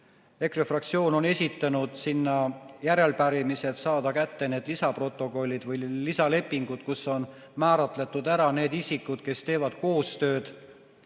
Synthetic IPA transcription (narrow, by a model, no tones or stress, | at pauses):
e̞krefrɑk̚t̪sio̞ːno̞ne̞sʲit̪ːˑɑnud̪̥sinːɑjæɾe̞lpæɾimise̞t̪sɑːd̪̥ɑkæt̪ːe̞ne̞ːd̪̥lisɑpro̞t̪ːˑo̞ko̞lʲːid̪̥vɯjlisɑle̞pːˑiŋɡut̪kuso̞n | mæːɾɑt̪ˑle̞t̪ːˑud̪æɾɑne̞ːd̪isikːˑud̪̥ke̞st̪e̞ːvɑd̪̥ko̞ːst̪ø̞ːd̪̥